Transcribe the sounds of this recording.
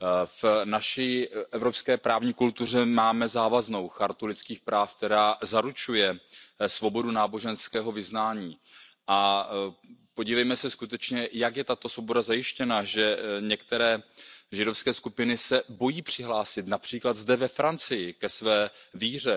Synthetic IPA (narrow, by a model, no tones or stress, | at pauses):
fnaʃiːʔɛvɾo̞pskɛːpɾaːvɲiːkult̪ur̝ɛmaːmɛzaːvazno̞wxaɾt̪ulɪt̪t͡skiːxpɾaːfk̚t̪ɛɾaːzaɾut͡ʃujɛsvo̞bo̞dunaːbo̞ʒɛnskɛːɦo̞vɪznaːɲiː | ʔa | po̞ɟiːvɛjmɛsɛskut̪ɛt͡ʃɲɛjakjɛt̪at̪o̞svobo̞dazajɪʃcɛnaʒɛɲɛkt̪ɛɾɛːʒɪdo̞fskɛːskupɪnɪsɛbo̞jiːpr̝̥ɪɦlaːsɪt̪napr̥iːklad̪zdɛvɛfɾant͡sɪjɪkɛsvɛːviːr̝ɛ